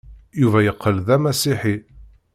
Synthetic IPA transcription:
juvæjəqːəlðæmæsiħi

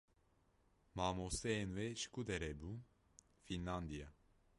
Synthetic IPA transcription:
maːmosɛnvɛʃkud̪ɛɾɛbu | finland̪ija

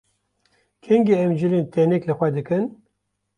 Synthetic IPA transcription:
kʰɛŋɡeɛmd͡ʒɨleːnt̪ɛnɛklɨxʷɛd̪ɨkɨn

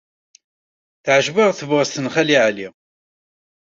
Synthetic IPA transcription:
θʕəʒvəʁθəvʁəst̪ənχæliʕli

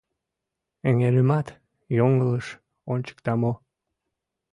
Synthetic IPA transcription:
eŋeɾəmɑt̪ | joŋələʃ | onʲt͡ɕə̥k̚t̪ɑmo

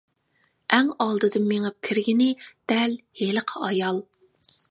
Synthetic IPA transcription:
ʔɛŋɑlˠd̪ɨd̪ɨnmeŋɨp̚kʲʰiɾɡʲinɪd̪̥ɛlheləqʰəɑjɑlˠ

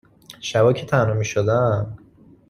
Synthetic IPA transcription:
ʃævɒːcʲʰet̪ʰænomiːʃod̪æm

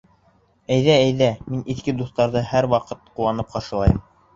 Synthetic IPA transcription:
æjðææjðæminʔiθkɘd̪uθt̪ɑɾðɤhæɾwɑqɤt̪̚qulˠɑnɤp̚qɑʃɤ̆lˠɑjɤm

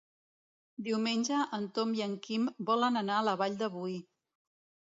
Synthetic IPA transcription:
d̪iwmenʲʒəʔənt̪ɔmiəŋkimbɔlənənaələβaʎd̪əβuj

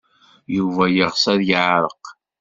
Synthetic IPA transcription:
juvæjəʁsæðjəʕɾˤəq

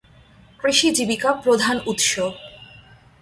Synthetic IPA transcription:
kɾiʃid͡ʑibikapɾod̪ʱanut̪ʃob

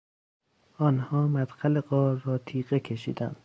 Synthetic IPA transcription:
ʔɒːnhɒːmæd̪xæleɢɒːɾːɒːt̪ʰiːɢekʰeʃḭːd̪æ̰nd̪̥

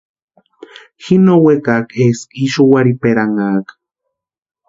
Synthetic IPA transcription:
xinowekakeskiʃowaɾipeɾaŋak

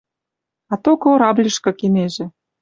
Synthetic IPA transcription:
ɑt̪okoɾɑblʲə̆ʃkɤ̆keneʒĕ

